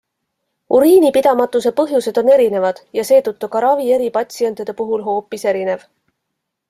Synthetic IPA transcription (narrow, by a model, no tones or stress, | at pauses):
uɾiːnipid̪̥ɑmɑt̪ːˑuse̞pɤɦjuse̞d̪̥o̞ne̞ɾine̞vɑd̪̥jɑse̞ːt̪ut̪ːukɑɾɑvie̞ɾipɑt̪ʲsie̞nt̪ˑid̪̥e̞puɦulɦo̞ːpːˑise̞ɾine̞v